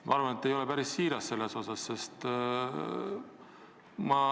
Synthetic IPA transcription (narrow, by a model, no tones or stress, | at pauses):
mʔɑ̰ɑɾvɑnet̪ːˑe̞jo̞le̞pæɾisːiːɾɑsːe̞lːe̞so̞sɑsːe̞st̪ | mɑ